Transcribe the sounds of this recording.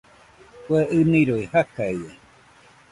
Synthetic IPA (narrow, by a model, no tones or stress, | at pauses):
keʔɨnĩɾojhakaiwe